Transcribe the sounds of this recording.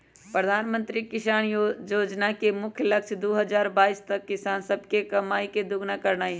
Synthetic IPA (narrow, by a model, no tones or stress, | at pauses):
pɾəd̪ʱaːnmə̃nt̪ɾikɪʃaːnjoːd͡ʒnakemʊkʰjlɐkʃd̪oːɦɐzaːɾbaːiːst̪ɐkːɪsaːnsɐb̚kekɐmaːiked̪ʊɡnakɐɾnaːi